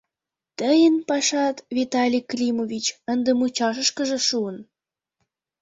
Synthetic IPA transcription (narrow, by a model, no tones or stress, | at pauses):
t̪əjənpɑʃɑt̪vit̪ɑlʲiklʲimovʲit͡ɕənd̪ə̆mut͡ɕɑʃ̬ə̆ʃkə̆ʒĕʃuən